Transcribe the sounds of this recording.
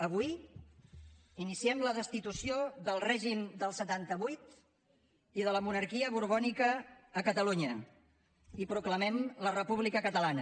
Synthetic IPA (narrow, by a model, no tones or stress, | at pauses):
əβuj | inisiɛmləðəst̪it̪usioðəlˠrɛʒimd̪əlˠsət̪ant̪əβujt̪ | iðələmunəɾkiəβuɾβɔnikəːkət̪əluɲə | ipɾukləmɛmlərəpuβlikəkət̪əlanə